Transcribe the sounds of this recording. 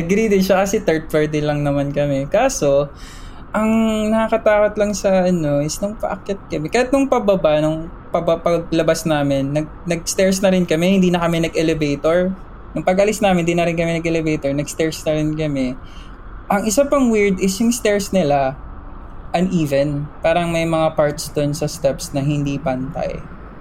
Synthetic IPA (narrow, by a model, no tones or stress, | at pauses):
ɐɡɾid̪ɪʃakɐsɛt̪ɛɹt̪̚fɛɹd̪ɪlɐŋnɐmankɐmɛkaːso̞ | ʔɐŋnɐkɐkɐt̪aːkot̪lɐŋsɐʔɐno̞ɪsnʊŋpa̰ʔɐ̰kɛt̪̚kɐmɛkɐjat̪̚nʊŋpɐbɐbanʊŋ | pɐbɐpɐɡ̚lɐbasnaːmɪnːɐɡ̚nɐɡ̚st̪ɛɹsnɐɾɪnkɐmɛhɪ̃nd̪iːnɐkɐmɛnɐɡʔɛlɛbejt̪oɹ | nʊŋpɐɡʔɐlisnaːmɪnd̪iːnɐɾɪnkɐmɛnɐɡʔɛlɛvejt̪oɹnɐɡst̪ɛɹsnɐɾɪnkɐmɛ | ʔɐŋʔɪsapɐŋwiɹd̪ɪsjʊŋst̪ɛɹsnɪla | ʔɐnʔiːvɛnpaːɾɐŋmɐjmɐŋapaɹt̪sd̪onsɐst̪ɛpsnɐɦɪnd̪ipɐnt̪a̰j